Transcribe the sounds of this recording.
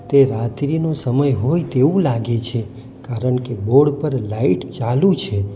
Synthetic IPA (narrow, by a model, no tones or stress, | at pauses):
t̪eɾat̪ɾinosəməjɦojt̪eũlaɡet͡ʃʰe | kaɾəɳkeboɽpəɾlaiʈt͡ʃalũt͡ʃʰe